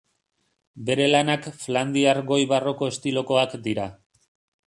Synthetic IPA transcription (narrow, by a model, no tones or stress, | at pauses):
be̞ɾe̞lanakfland̪iarɡo̞jβaro̞ko̞est̪ilo̞ko̞akd̪iɾa